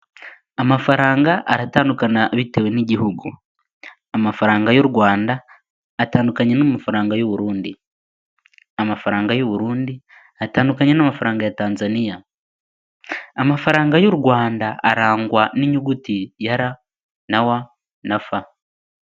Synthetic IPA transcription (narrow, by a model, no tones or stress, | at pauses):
amafaɾaːŋɡaʔaɾataːndukanaβiteweniɟihuɡu | amafaɾaːŋɡajo̞ɾuɡwaːndaː | taːndukaɲenomafaɾaːŋɡajoβuɾuːndi | amafaɾaːŋɡajoβuɾuːndi | ataːndukaɲenamafaɾaːŋɡajataːnzanija | amafaɾaːŋɡajo̞ɾuɡwaːndaːɾaːŋɡwaniɲuɡutijaɾa | nawa | nafa